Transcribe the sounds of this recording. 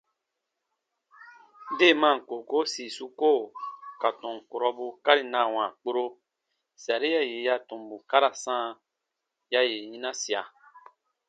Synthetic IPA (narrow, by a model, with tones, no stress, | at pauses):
de˦˨mã˦˨ŋ̩˨ko˨ko˦si˨su˧ko˦˨ka˨tɔ̃˨ŋ˨ko˨ɾɔ˧bu˧ka˦ɾi˨nã˨w̃ã˨k͡po˦ɾo˧ | si˨a˨ɾi˦ja˦je˨ja˧tõ˨mbu˨ka˦ɾa˨sãː˦ | ja˧je˨jĩ˦nã˦si˨a˨